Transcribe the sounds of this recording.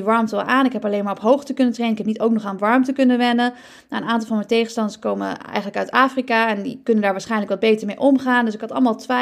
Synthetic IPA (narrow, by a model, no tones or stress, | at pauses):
iʋɑɹmtəlˠʔaːnɪkɦɛpɑlejnmaːɹɔpɦowχtəkɵnəntrejnɪkɛpnitowk̚nɔχaːnʋɑɹmtəkɵnənʋɛnə | naənaːntɑlˠvɑnmɛjtejχənstɑndəskowmə̰ɛ̰jχənləkœɥtaːfrikaɛndikɵnəndaːɹʋaːɹsχɛjnləkʋɑd̚bejtəɹmejʔɔmχaːndɵsɪkɦɑtɑ̰lˠmaːlˠtʋe